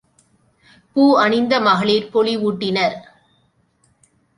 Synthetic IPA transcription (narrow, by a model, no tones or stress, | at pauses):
puːɐɳɪnd̪ɐmɐɣɐɭiːɾpɔɭiʋuːʈːɪnɐɾ